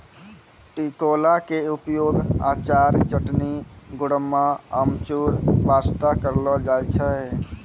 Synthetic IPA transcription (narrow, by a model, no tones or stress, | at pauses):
ʈikolakeupjoɡa̰t͡ʃaɾt͡ʃəʈniɡuɽəmːaəmt͡ʃuɾbast̪akəɾlɔd͡ʒajt͡ʃʰə